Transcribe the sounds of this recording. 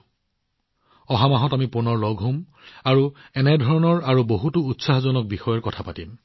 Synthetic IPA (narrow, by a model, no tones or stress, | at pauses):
ɔɦamaɦɔtamipʊnɔɹloɡʱɦom | aɹuɛnɛdʱɔɹɔnɔɹaɹuboɦutuːtsaɦɔzɔnɔk̚bixɔjɔɹkɔtʰapatim